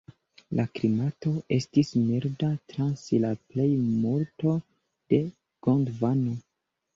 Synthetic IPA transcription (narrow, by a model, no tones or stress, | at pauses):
lʔaklimato̞ʔe̞stismiɾdatɾansilaple̞jmuɾto̞ | d̥e̞ | ɡ̥ondvano